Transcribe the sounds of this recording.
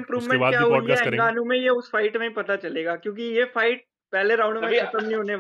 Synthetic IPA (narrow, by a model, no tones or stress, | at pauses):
mpɾuːʋmẽakjaɦojɛ̃ɡaːnũmẽjeʊsfaːɪʈmẽipɐt̪at͡ʃɐleːɡaːkjõːk̬ijefaɪʈ̚ | pɛɦleɾãːʊ̃ɳɖmẽɐsəmnĩɦoːneʋ